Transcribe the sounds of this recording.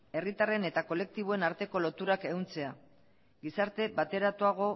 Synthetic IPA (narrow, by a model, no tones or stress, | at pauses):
e̞rit̪are̞ne̞t̪ako̞le̞k̚t̪iβ̞oe̞naɾt̪e̞ko̞lo̞t̪uɾake̞ɣunt͡se̞a | ɡisaɾt̪e̞bat̪e̞ɾat̪uaɣ̞o̞